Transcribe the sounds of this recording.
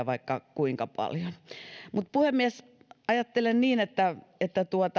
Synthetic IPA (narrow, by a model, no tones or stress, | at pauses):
ʋɑikːɑkuiŋkɑpɑ̰ljonmut̪̚puhemːiæs | ɑjɑt̪ːelenniːnet̪ːæet̪ːæt̪uot̪